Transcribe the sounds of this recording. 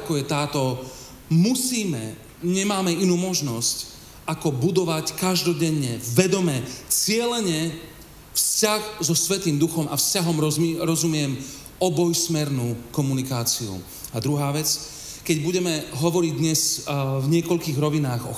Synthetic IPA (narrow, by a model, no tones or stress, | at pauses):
akɔjɛt̪aːt̪ɔ | musiːmɛ | ɲɛmaːmɛinuːmɔʒnɔsc | akɔbud̪ɔʋackaʒd̪ɔɟɛɲːɛʋɛd̪ɔmɛt͡sɪɛlɛɲɛ | fscaxzɔsʋɛt̪iːmd̪uxɔmʔafscaɦɔmɾɔɾɔzumɪɛm | ɔbɔjsmɛɾnuːkɔmunikaːt͡siṵ | ad̪ɾuɦaːʋɛt͡s | kɛɟbuɟɛmɛɦɔʋɔɾiɟd̪ɲɛsvɲɪɛkɔʎkiːɣɾɔʋinaːɣɔ̰